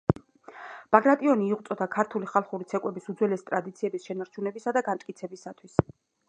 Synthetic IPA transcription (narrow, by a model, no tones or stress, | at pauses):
b̥aɡɾat̪ʼiɔniːʁt̪sʼɔd̪akʰaɾt̪ʰuliχalˠχuɾit̪sʰɛkʼwɛbisud̪zwɛlɛst̪ʼɾad̪it̪sʰiɛbisʃɛnaɾt͡ʃʰunɛbisad̪aɡant̪ʼkʼit̪sʰɛbisat̪ʰwis